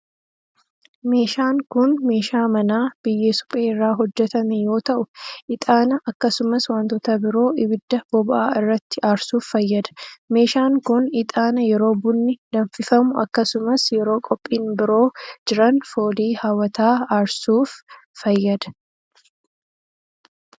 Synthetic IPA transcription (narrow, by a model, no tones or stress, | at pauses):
me̞ːʃaːŋkʊnme̞ːʃaːmɐnaːb̥ɪjːeːsʊ̥pʼeːɪrːaːɦɔd͡ʒːɛt̪ɐmɛjo̞ːt̪ɐʔʊʔɪt̪ʼaːnɐʔɐkːɐsʊmɐswɐnt̪ɔt̪ɐbɪɾo̞ːʔɪbɪd̪ːɐb̥ɔbɐʔaːɪrːɐt̪ːɪʔaːɾsuːfːɐjːɐd̪ɐ̥me̞ːʃaːŋkʊnɪt̪ʼaːnɐjɛɾo̞ːbʊnːɪd̪ɐɱfɪfɐmʊʔɐkːɐsʊmɐsjɛɾo̞ːkʼɔpʼːiːnbɪɾo̞ːd͡ʒɪɾɐnfo̞ːliːhaːwɐt̪aːaɾsuːfː | ɐjːɐd̪ɐ̥